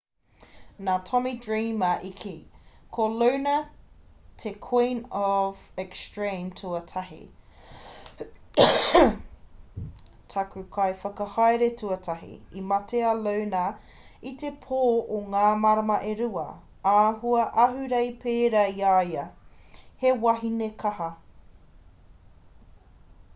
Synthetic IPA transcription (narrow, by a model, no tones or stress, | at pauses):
naːtʰɔmidɹiːmɐʔikʰekʰolownɐ | tʰekʰwĩnɔvɛkstɹĩmtʰuɐtʰɐhḭ | tʰɐkʉkʰɐjfɐkɐhɑjɾetʰuɐtʰɐɦḭimɐteɐlɐwna | it̪epʰoːʔoŋaːmɐɾɐmɐʔeɾuɐ̰ | aːɦuɐʔɐɦʉɾɐjpeːɾɐiaːiɐ | hewɐɦinekʰɐhɐ